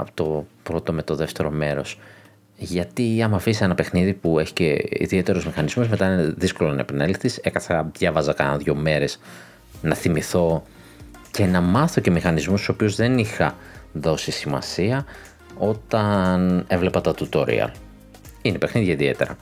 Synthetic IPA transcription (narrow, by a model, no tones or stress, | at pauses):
ɐ̰pot̪opɾo̞t̪o̞me̞t̪o̞ðe̞ft̪e̞ɾo̞me̞ɾo̞s | ʝɐt̪iɐmɐfisisenɐpexniðipue̞çi̥ceḭðie̞t̪e̞ɾozmixɐnizmuzme̞t̪ɐineðisko̞lonɐ̰epɐnelikθise̞kɐθɐðʝɐvɐzɐkɐnɐðʝo̞me̞ɾe̞s | nɐθimiθo̞ | ce̞nɐmɐθo̞ce̞mixɐnizmust̪u̥so̞piozðe̞nixɐ | ðo̞sisimɐ̰siɐ | o̞t̪ɐne̞vle̞pɐt̪ɐt̪ut̪oɾḭɐ̰l | inepe̞xniðʝɐiðie̞̰t̪e̞ɾɐ̰